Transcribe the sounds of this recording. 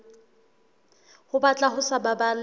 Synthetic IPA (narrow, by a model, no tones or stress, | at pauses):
hʊbat͡ɬʼaɦʊsababal